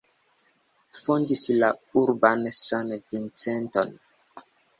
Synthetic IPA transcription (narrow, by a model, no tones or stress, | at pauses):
fondislauɾbansanvint͡senton